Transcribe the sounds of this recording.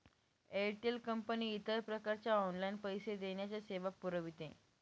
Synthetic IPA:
eʈelkəmpəniːt̪əɾpɾəkaɾt͡ɕjaɔnlajnpəjsed̪eɳjat͡saseʋapːuɾəʋit̪ḛ̃

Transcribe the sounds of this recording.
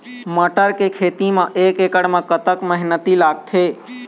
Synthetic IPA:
məʈəɾkekʰet̪imãʔekekəɽmãkət̪əkməɦnət̪ilaɡ̚t̪ʰe

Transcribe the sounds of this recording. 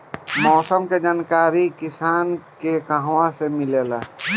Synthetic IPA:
mɔːsəmked͡ʒaːnkaːɾikisaːnkekəɦwãsemilela

